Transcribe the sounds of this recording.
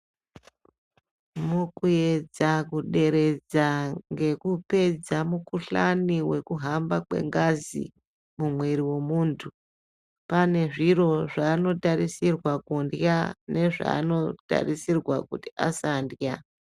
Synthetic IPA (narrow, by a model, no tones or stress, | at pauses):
mukuje̞d͡zakuɗe̞ɾe̞d͡zaŋɡe̞kupe̞d͡zamukuɬaniwe̞kuɦambakwe̞̰ŋɡazḭ | mumweɾiwe̞muːntʰu | pane̞ʐiro̞ʐaːno̞tarisirwakundjane̞ʐa̰ːno̞ta̰risirwakutiasandja